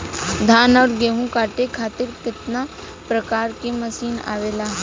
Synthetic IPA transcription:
d̪ʱaːnɔːɾɡeːɦũkaːʈekʰaːt̪ɪɾkɪt̪na | pɾɐkaːɾkeməsiːna̰ːʋeːlaɦ

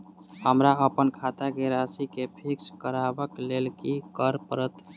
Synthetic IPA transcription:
həmɾaəpənkʰat̪akeɾasikepʰikskəɾabəklelkikəɾpəɾət̪

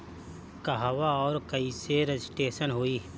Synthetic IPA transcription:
kɐɦaʋaɔːɾkɐiseɾɐd͡ʒɪsʈeːʃənɦoːiː

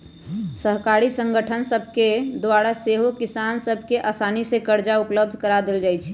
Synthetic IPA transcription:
səɦkaːɾisə̃ŋɡəʈʰənsəbʱked̪waːɽaseɦokɪsaːnsəbʱkeʔaːsaːnisekəɾd͡ʒaʊpləb̚d̪ʱkəɾad̪ɪld͡ʒaːɛt͡ʃʰɛ̥

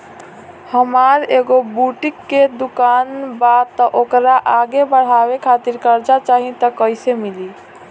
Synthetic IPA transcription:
həmaɾeɡobuʈikːed̪ukanbat̪ːəʔokɾaʔaɡebəɽ̤abekʰat̪iɾkəɾd͡ʒat͡ʃaɦit̪əkəɪsemili

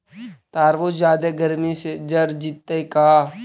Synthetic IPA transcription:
t̪aːɾʋoːd͡ʒaːd̪eɡəɾmised͡ʒəɾd͡ʒit̪ːeikaː

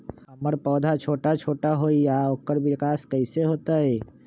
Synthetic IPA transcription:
ɦəməɾpɔːd̪ʱat͡ʃʰoːʈat͡ʃʰoːʈaɦoijaoːkəɾbɪkaːskəɪseɦoːt̪aɦɛ

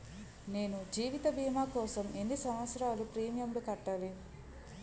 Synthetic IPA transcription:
ne̞ːnud͡ʒiːʋit̪ɐbʱiːmaːkɔːsɐme̞nːisɐmʋɐt̪sɾaːlupɾiːmjɐmlukɐʈːaːli

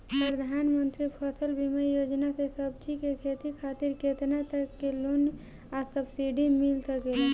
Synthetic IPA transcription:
pɾəd̪ʱanmənt̪ɾipʰəsəlbʱimejod͡ʒnasesəbt͡ʃikekʰet̪ikʰat̪iɾket̪nat̪əkːelun | asəbsiɖimilsəkelɛ

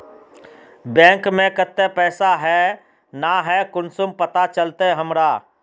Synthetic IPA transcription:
bɛ̃ːŋkmẽkət̪ːepɛːsaɦɛ | naɦɛkʊnsʊmpət̪at͡ʃəlt̪eɦəmɾa

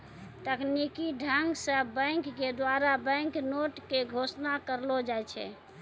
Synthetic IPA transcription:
t̪əknikiɖʱəŋɡsəbə̃jŋkːed̪waɾabə̃ŋknoʈkeɡʱosnakəɾlod͡ʒajt͡ʃʰɛ̰

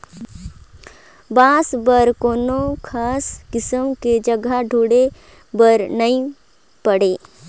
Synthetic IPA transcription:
bãːsbəɾkoːnokʰaːskɪsəmked͡ʒəɡaɖʱuːɽe | bəɾnɐĩ | pɐɽeː

